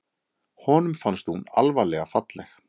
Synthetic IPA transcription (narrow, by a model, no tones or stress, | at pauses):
hɔːnʏmfanst̪huna̰lvalɛɣafat̪lɛx